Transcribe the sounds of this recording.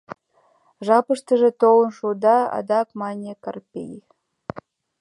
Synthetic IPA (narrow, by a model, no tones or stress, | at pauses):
ʒɑpəʂt̪ə̆ʒĕt̪owə̆nʃud̪ɑɑ̰d̪ɑkmɑnʲekarpʲḛj